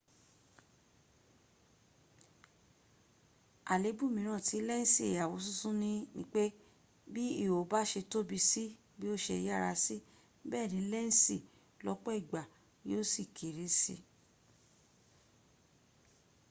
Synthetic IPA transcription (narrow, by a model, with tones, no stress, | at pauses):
a˨le˨˦bu˦˨mĩ˨˦ɾ̃ã˦˨ti˨˧˦lɛ˦n̩˦si˦e˨ja˨wo˨˦s̬ũ˦˨sũ˦nĩ˧nḭ̃˧˦k͡pe˦ | bi˦i˦˨wo˨ba˦ʃe˧to˦bi˧si˦ | bi˦o˦ʃɛ˧ja˦˨ɾa˧si˦ | bɛː˦˨nĩ˨˦lɛ˦˨n̩˦si˦˨ | lɔ˦k͡pɔ˦i˦˨ɡ͡ba˨ | joː˦si˦˨kʰe˨ɾe˨˦sḭ˧